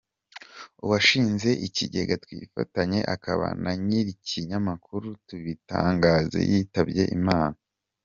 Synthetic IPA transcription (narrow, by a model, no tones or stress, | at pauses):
uwaʃiːnze̞ʔiciɟe̞ɡatwiːfa̰taɲe̞ʔakʰaβa̰naɲiɾiciɲamakʰuɾutuβita̰ːŋɡaːzḛjitabje̞̰ʔimaːna